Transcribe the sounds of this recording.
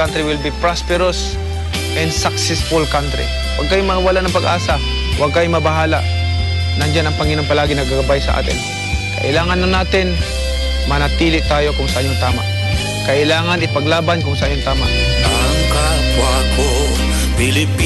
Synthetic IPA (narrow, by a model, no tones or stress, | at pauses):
ant̪ɾiwɪlbipɹaspɛɾos | ʔɛnd̪sak̚sɛsfʊlkant̪ɾḭ | wʔɐ̰ɡ̚kajʊŋmɐŋɐwɐlaʔnɐŋpɐɡʔaːsa | wʔɐɡ̚kajʊŋmɐbɐɦaːla̰ʔ | nɐŋd͡ʒanɐŋpɐŋɪnaŋpɐlaːɡɪnɐɡaɡɐbajsɐʔa̰ːt̪ɪ̰n | kɐ̰ʔɪlaːŋɐnːɐnaːt̪ɪn | mɐnɐt̪iːlɪʔt̪aːjo̞kʊŋsɐʔaɲːoŋt̪aːma̰ʔ | kɐʔɪlaːŋɐnɪpɐɡlaːbankʊŋsɐʔaɲːoŋt̪aːma̰ʔ | aŋka | kwako | pɪlɪpː